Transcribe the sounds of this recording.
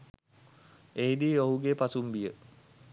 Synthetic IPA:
eɦid̪iːoɦuɡepasumbijə

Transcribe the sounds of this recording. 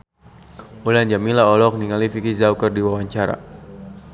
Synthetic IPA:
ulaɲd͡ʒamilaɔlɔk̚niŋalifikizaukərdiwawaɲt͡ʃaɾa̰

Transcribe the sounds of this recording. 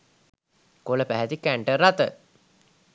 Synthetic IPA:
koləpæɦæt̪ikæɳʈəɾat̪ə

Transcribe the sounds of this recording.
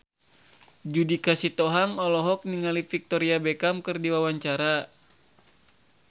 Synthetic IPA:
d͡ʒudikasit̪ɔɦaŋɔlɔɦɔk̚niŋalifik̚t̪ɔɾiabɛkamkɨrdiwawaɲt͡ʃaɾa

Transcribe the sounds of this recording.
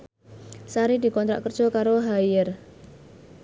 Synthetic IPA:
saɾid̪̥i̤kɔnt̪ɾaʔkərd̥ʒ̥ɔ̤kaɾoɦajər

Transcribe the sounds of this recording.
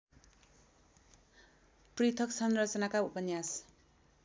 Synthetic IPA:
prit̪ʰʌksʌnrʌt͡sʌnakaupʌnjas

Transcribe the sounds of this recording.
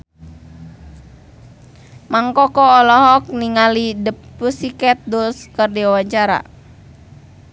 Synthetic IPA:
maŋkɔkɔːlɔɦɔk̚niŋalidəppusikɛt̪̚dulskərdiawaɲt͡ʃaɾa̰

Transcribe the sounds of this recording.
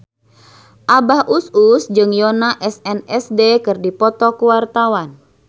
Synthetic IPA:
ʔabahʔususd͡ʒɨŋjɔnaʔɛsɛnɛsdekɨrdipɔt̪ɔkuwart̪awan

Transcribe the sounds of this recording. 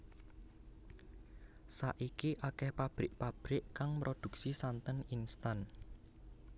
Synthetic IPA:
sa̰ʔikiʔakɛhpab̥ɾɪʔpab̥ɾɪʔkaŋmɾʔod̪̥ṳk̚sisant̪əninst̪an

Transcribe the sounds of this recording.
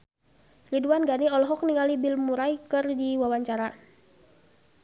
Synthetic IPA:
riduanɡaniɔlɔɦɔk̚niŋalibilmuɾajkɨrdiwawaɲt͡ʃaɾa

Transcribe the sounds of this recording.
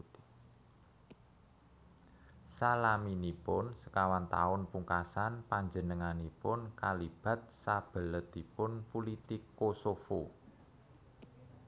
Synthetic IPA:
salaminipʊnsə̥kawant̪a̰ʊnpuŋkasanpaɲd͡ʒənəŋanipʊnkalib̥a̤t̪̚sab̥ə̤lət̪ipʊnpulit̪ɪkːosofo

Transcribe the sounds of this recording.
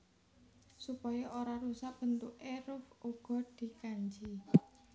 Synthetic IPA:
supɔjɔʔoɾaɾusaʔ̚b̥ə̤nt̪ʊʔeɾʊfuɡ̥ɔ̤d̪̥i̤kaɲd͡ʒi

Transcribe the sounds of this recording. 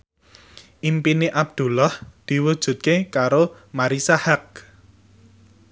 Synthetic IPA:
ʔimpineʔab̥̚d̪̥ṳlɔhd̪̥i̤wud̥ʒ̥ṳt̪̚kekaɾo | maɾisahak̚

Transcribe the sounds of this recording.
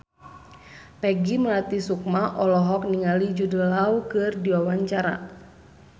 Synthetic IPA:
pɛɡiməlat̪isuk̚maʔɔlɔɦɔk̚niŋalid͡ʒudəlaukɨrdiwawaɲt͡ʃaɾa̰

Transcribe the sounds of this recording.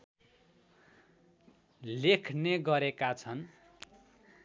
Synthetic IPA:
lekʰneɡʌɾekat͡sʰʌn

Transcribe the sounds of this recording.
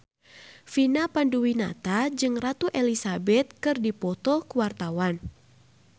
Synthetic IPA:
finapanduwina̰t̪ad͡ʒɨŋrat̪uʔɛlisabɛt̪̚kɨrdipɔt̪ɔkuwart̪awan

